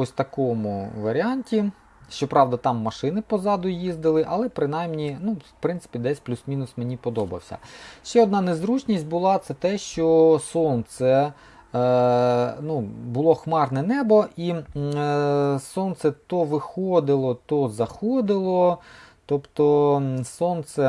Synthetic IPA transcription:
ɔsʲt̪ɐkɔmʊʋɐɾʲɪɑnʲtʲi | ʃt͡ʃɔpɾɑwd̪ɐt̪ɑmːɐʃɪnɪpɔzɑd̪ʊjizd̪ɪlˠɪʔɐlˠɛpɾɪnɑjmnʲinu̥pɾɪnsɪ̥pʲid̪ɛsʲplʲusmʲinʊsmenʲipɔd̪ɔbɐ̰wsʲɐ̰ʃt͡ʃɛɔd̪nɑnezɾut͡ʃnʲisʲtʲbʊlˠɑt̪sɛt̪ɛʃt͡ʃɔsɔnt̪sɛ | nubʊlˠɔxmɑrnɛnɛbɔʔi | sɔnt̪sɛt̪ɔʋɪxɔd̪ɪlˠɔt̪ɔzɐxɔd̪ɪlˠɔt̪ɔpt̪ɔsɔnt̪sɛ

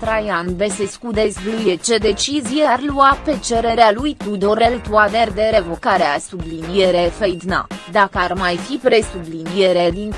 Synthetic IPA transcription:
t̪ɾajanbe̞seskud̪e̞sblujet͡ʃe̞d̪e̞t͡ʃizijearluape̞t͡ʃe̞ɾe̞ɾealujt̪ud̪ore̞lt̪uad̪e̞rd̪e̞ɾevo̞kaɾeasublinije̞ɾe̞fejd̪na̰d̪akəarmajfipɾe̞sublinijeɾed̪in

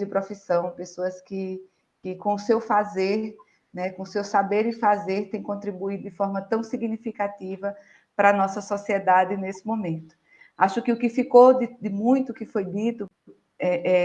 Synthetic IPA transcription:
d̪ɪpɾofisɐ̃w̃pesoɐskɪ | kɪkõʊsewfazeɾ | nɛkõʊsewsabeɾɪfazeɾt̪ẽj̃kõt̪ɾibuid̪ʊd̪ɪfɔɾmɐt̪ɐ̃w̃siɡnifikat̪ivɐ | pɾɐnɔsɐsɔsied̪ad̪ɪnesɪ̥mõmẽnt̪ʊ̥ | aʃʊkɪʊkɪfikod̪ɪd̪ɪmũj̃t̪ʊkɪfojd̪it̪ʊ | ɛʔɛ

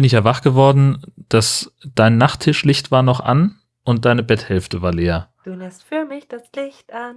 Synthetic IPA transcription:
bɪnɪçjavaχɡ̥əvɔɐdn̩d̥asd̥aɪnːaχtʰɪʃlɪçtv̥aːɐnɔχʔa̰n | ʔʊnt̚d̥aɪnəbɛthɛlftəvaːɐleːɐd̥uːnɛstfyːɐmɪçd̥aslɪçtʔan

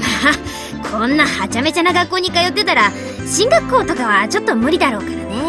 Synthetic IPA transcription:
maː | kʰõ̞nːahat͡ɕame̞t͡ɕanaɡakːo̞ːɲ̟ikajo̞t̪ːe̞t̪aɾa | ɕĩŋɡakːo̞ːt̪o̞kaβat͡ɕo̞t̪ːo̞mɯ̟ɾʲid̪aɾo̞ːkaɾane̞

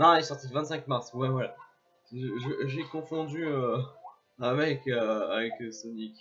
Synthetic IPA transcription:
ãisɔʁt̪id̪əvɛ̃t̪sɛ̃kmaʁswɛwɛ | ʒəʒekɔ̃fɔ̃d̪yø | ɛ̃mɛkøa̰vɛksɔnik

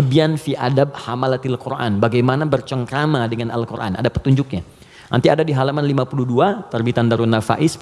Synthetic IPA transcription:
bianfiʔadab̚hamalat̪ɪlkurʔa̰nbaɡajmanabərt͡ʃəŋkɾamadəŋanʔa̰lkurʔa̰nʔa̰dapə̥t̪uɲd͡ʒʊk̚ɲa | nʔa̰nt̪iadadiɦalamanlimapuluduat̪ərbit̪andaɾunafa̰ʔɪs

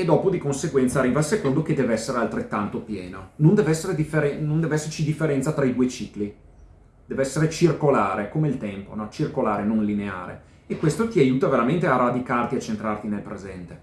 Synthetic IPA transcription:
ed̪ɔːpod̪ikonseɡwɛnt̪sarːiːvasekond̪oked̪ɛːvɛsːeɾealt̪ɾet̪ːant̪opjɛːnonond̪ɛvɛsːeɾed̪ifːeɾɛnõnd̪ɛːvɛsːert͡ʃid̪ifːeɾɛnt̪sat̪ɾaid̪uːet͡ʃiːkli | d̪ɛːvɛsːeɾet͡ʃirkolaːɾekomeilt̪ɛmponɔt͡ʃirkolaːɾenonlinea̰ːɾḛ | ekːwest̪ot̪iajuːt̪aveɾament̪earːad̪ikart̪iat͡ʃent̪ɾart̪inelpɾezɛnt̪e

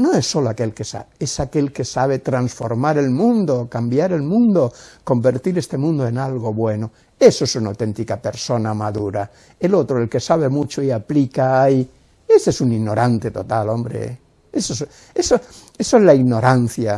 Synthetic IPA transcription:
noe̞sːo̞loake̞lke̞sa̰eesake̞lke̞saβ̞et̪ɾansfoɾmaɾe̞lmũnd̪okambjaɾe̞lmũnd̪oko̞mbe̞ɾt̪iɾest̪e̞mũnd̪oe̞nalɣo̞βwe̞no | esoesunawt̪e̞nt̪ikape̞ɾso̞namaðuɾa | elot̪ɾoe̞lke̞saβ̞e̞mut͡ʃoiaplikai | estesuniɣno̞ɾʔant̪e̞t̪o̞t̪alo̞mbɾḛ | esos | esoe̞soezlaiɣno̞ɾanθja

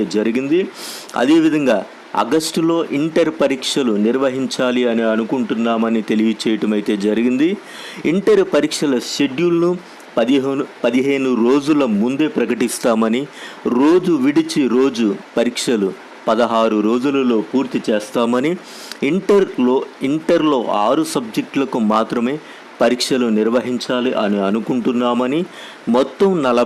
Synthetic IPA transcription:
ed͡ʒɐɾiɡind̪iɐ̰d̪e̞ːʋid̪ʱɐŋɡaː | ɐ̰ɡɐsʈlo̞ːʔiɳʈɐɾpɐɾiːkʂɐluniɾʋɐɦiɲt͡ʃaːliɐniɐnukuɳʈunːaːmɐnit̪e̞lijɐt͡ʃɛːjɐʈɐmɐjit̪e̞ːd͡ʒɐɾiɡind̪i | iɳʈɐɾpɐɾiːkʂɐlɐʃe̞ɖjulɐnu | pɐd̪iɦpɐd̪iɦe̞ːnuɾo̞ːd͡ʒulɐmund̪e̞ːpɾɐkɐʈist̪aːmɐniɾo̞ːd͡ʒuʋiɽit͡ʃiɾo̞ːd͡ʒupɐɾikʂɐlu | pɐd̪ɐɦaːɾuɾo̞ːd͡ʒulɐlo̞ːpuːɾt̪it͡ʃeːst̪aːmɐni | iɳʈɐɾloːiɳʈɐɾlo̞ːʔaːɾusɐb̚d͡ʒe̞k̚ʈlɐkumaːt̪ɾɐme̞ː | pɐɾiːkʂɐluniɾʋɐɦiɲt͡ʃaːliʔɐniɐnukuɳʈunːaːmɐni | mɔt̪ːɐmnɐlɐ

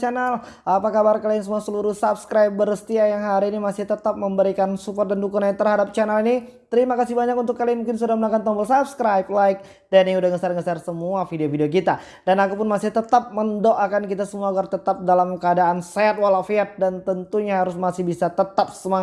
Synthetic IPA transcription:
t͡ʃanal | ʔapakabarkaliansəmuasəluɾuhsapskɾajp̚bəɾəst̪iajaŋɦaɾiːnimasɪht̪ət̪ap̚məmbəɾikansupɔrt̪̚dandukunat̪ərɦadap̚t͡ʃanalini | t̪əɾimakasɪbaɲakunt̪ʊkːalianmuŋkɪnsudahmənaŋkant̪ɔmbəlsapskɾajp̚laɪk̚ | daniudahŋəsarŋəsarsəmuafideofideok̬it̪a | danakupʊnmasɪht̪ət̪ap̚məndoʔakankit̪asəmuaːɡart̪ət̪ap̚dalamkəadaʔːnsɛat̪̚walafiat̪̚dant̪ənt̪uɲaɦaɾʊsmasɪhbisat̪ət̪ap̚səma

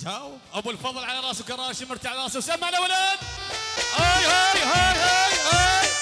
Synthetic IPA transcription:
taw | ʔawːalfɑðˤɨlʕalaɾˤɑːʔswkɑɾˤɑːʃɪmɪɾt̪ʕalɾˤɑːsawsamːaʕalawalaːd̪hajhajɦajhajha

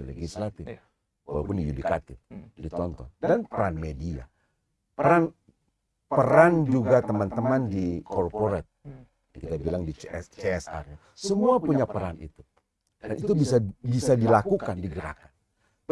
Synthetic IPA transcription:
leɡislat̪ɪf | walawpʊndijudikat̪ɪfdit̪ɔnt̪ɔndanpəɾanmedia̰ | pəɾan | pəɾand͡ʒuɡat̪əmant̪əmandikɔrpoɾɛt̪̚ | kit̪abilaŋdit͡ʃeɛsa̰r | səmuapuɲapəɾanḭt̪u̥ | danit̪ubisabisadilakukandiɡəɾa̰kan

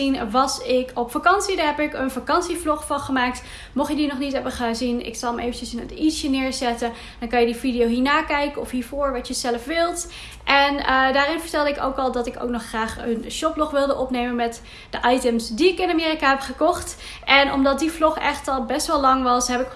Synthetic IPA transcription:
inʋɑsɪkʰɔpfakɑnsidaːɹɦɛpɪkənfakɑnsiflɔχfɑnχəmaːk̚t | mɔχjədinɔχnitɦɛbəχəzinɪ̰ksɑlˠəmʔejvənt͡ʃəsɪnə̰tisjənɪːɹzɛtə | d̥ɑnkɑnjədividijowɦiːɹnaːkɛjkənɔfɦiːɹvʊːɹʋɑtjəzɛləfʋɪlˠt | ʔɛndaːɾɪnvəɹtɛlˠdəɪko̰wkɑlˠdɑtɪko̰wknɔχːraːχənʃɔplɔχʋɪlˠdəʔɔpnejmənmɛt | d̥əʔɑjtəmsdiɪkɪnamɪːrikaɦɛpχəkɔχt | ʔɛnɔ̰mdɑt̚diflɔχɛχtɑlˠbɛstʋɛlɑŋʋɑsɦɛpɪk

